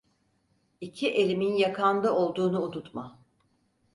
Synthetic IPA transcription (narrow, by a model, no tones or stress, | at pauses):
icʰiʔe̞lʲiminjakʰand̪ao̞lˠd̪uːnuunut̪ma